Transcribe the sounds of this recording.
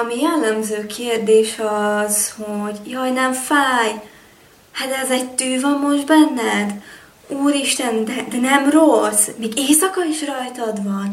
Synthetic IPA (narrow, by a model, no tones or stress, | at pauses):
ɒmijɛlːɛmzøːkʰeːrd̪eːʃɒz̥hoɟjɒjnɛɱfaːj | hat̪ɛzɛɟt̪øːvɒmːo̞ʒd̪bɛnːɛd̪ | uːɾiʃt̪ɛnd̪ɛd̪ɛnɛmrosmeːɡeːsɒkɒiʃrɒjt̪ɒd̪vɒn